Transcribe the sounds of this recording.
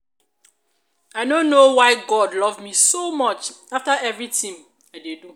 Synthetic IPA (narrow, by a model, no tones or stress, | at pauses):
aɪnõnːowaɪɡɔdlɔvmisomɔt͡ʃ | aftaɛvɹitĩm | aɪdedu